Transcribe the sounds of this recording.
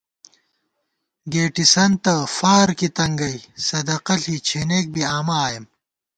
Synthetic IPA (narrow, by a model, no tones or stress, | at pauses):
ɡeːʈisɐnt̪ɐfaːɾkit̪ɐŋɡɐjsɐd̪ɐqɐɬit͡ɕʰeneːk̚biaːmaːjem